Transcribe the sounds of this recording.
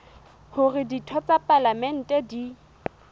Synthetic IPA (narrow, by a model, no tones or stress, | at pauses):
hʊrɪditʰɔt͡sʼapʼalamɛn̩tʼɛdi